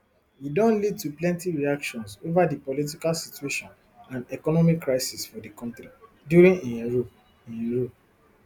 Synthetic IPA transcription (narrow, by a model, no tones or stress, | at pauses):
widɔ̃nlid̚tuplɛ̃ntiɹiakʃɔ̃nsovadipɔlit̬ikalsitueʃɔ̃n | ãndɛkɔnɔmikːɹaɪsisfɔdikɔ̃ntɾi | djuɾĩnĩɹ | ĩɹo